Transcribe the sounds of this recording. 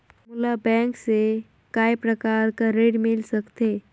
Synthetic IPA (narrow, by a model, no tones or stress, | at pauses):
mʊlabɛ̃ŋkse | kaːjpɾəkaɾkaɾeɽmɪlsəkt̪e